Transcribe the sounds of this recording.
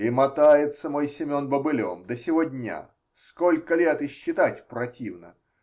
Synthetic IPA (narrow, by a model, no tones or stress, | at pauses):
ɪmɐt̪ajɪt̪səmo̞jsʲɪmʲo̞nbəbɨlʲo̰md̪əsʲɪvodʲnʲa̰ | sko̞lʲkəlʲet̪ɪɕːɪt̪atʲpɾɐtʲivnə̰